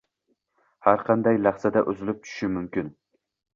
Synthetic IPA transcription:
haɾqʰɑnd̪ajlaχsad̪aʔʊzɪlɪp̚t͡ʃʰʊ̥ʃɪmʊmkʲɪn

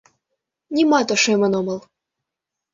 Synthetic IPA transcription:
nʲimɑt̪oʃemɤ̆nomɤ̆lˠ

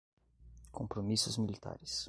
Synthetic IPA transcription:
kõmpɾomisʊzmilit̪a̰ɾɪs

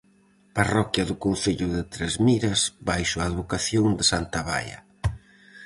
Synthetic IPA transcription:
parɔkjɐðʊkonθeʎʊðɪt̪ɾezmiɾɐsbajʃʊaːðβokaθjoŋd̪ɪsant̪aβa̰jɐ̰

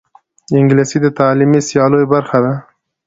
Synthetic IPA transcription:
ɪŋɡlisid̪ət̪ɑlimisjɑlojbaɾxad̪a

